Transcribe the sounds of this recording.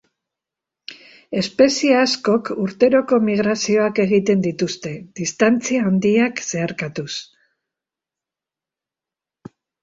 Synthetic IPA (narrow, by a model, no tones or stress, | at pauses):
e̞spe̞sieasko̞kuɾt̪e̞ɾo̞ko̞miɣ̞ɾasio̞ake̞ɣ̞it̪e̞nd̪it̪ust̪e̞ð̥ist̪ant͡siaːnd̪iakse̞aɾkat̪us